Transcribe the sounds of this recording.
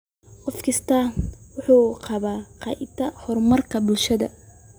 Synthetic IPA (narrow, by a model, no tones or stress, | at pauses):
qɔfkʰɪst̪ʰaːnwʊħuːqɑβaːqɑʔɪt̪ʰːɐhɔrmɐrkʰɐbʊlʃɐðɐ̰